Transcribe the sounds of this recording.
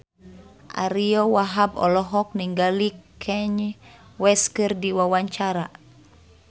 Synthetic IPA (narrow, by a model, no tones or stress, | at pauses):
ʔa̰ɾiɔwaɦabɔ̰lɔɦɔk̚niŋɡalikʰɛɲwɛskɨrdiwawaɲt͡ʃaɾa